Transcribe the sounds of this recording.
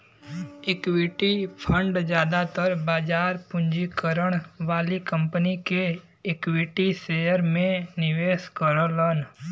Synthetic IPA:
ekwɪʈipʰə̃ɳɖd͡ʒjaːd̪at̪əɾbaːd͡ʒaːɾpʊ̃ɲd͡ʒikəɾəɽ̃ʋaːlikə̃mpənike | ekwɪʈiseːjəɾmẽnɪʋeːskəɾolən

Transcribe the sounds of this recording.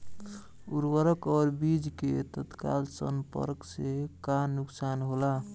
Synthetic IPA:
uɾwəɾəkɔɾbid͡ʒket̪ət̪ka̰lsə̰mpə̰ɾksekanuksanɦola

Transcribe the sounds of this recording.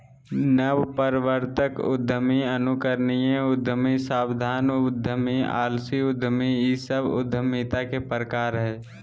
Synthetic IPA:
nəwpəɾɪʋəɾt̪əkʊ̰d̪ʱːəmiənukəɾnijẽʊd̪ʱːəmisaːbd̪ʱaːnʊd̪ʱəmia̰ːlsiʊd̪ʱəmijisəbʊ̰d̪ʱːəmit̪akepɾəkaːɾɦɛː

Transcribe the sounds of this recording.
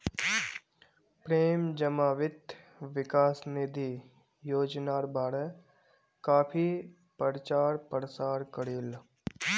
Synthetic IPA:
pɾeːmd͡ʒəmaːʋɪt̪ | ʋɪkaːsnɪd̪ʱi | joːd͡ʒnaːɾbʱaːɽɛ | kaːpʰi | pəɾt͡ʃaːɾpəɾsaːɾkəɾiːl

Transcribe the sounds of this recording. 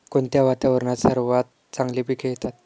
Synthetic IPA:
kont̪jaʋat̪aʋəɾɳasəɾuʋat̪̚ | t͡saŋɡlipikʰejt̪at̪

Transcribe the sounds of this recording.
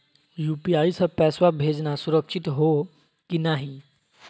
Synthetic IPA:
jupiaisəpɛsʋabʱed͡znasuɾəkʂit̪ɦo | kinaɦi

